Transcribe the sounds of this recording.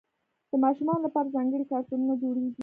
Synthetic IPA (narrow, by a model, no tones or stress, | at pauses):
d̪̥əmɑʃumɑnolapɑɾazɑŋɡəɽikɑɾt̪ununad͡ʒoɽeɡi